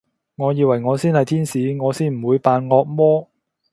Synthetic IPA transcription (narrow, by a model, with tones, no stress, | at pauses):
ŋɔː˨˧jiː˨˧wɐ˨˩jŋɔː˨˧siː˥nhɐ˨jt̪ʰiː˥nsiː˨˧ŋɔː˨˧siː˥nm̩˨˩wuː˨˧jpaː˨nŋɔː˧k̚mɔː˥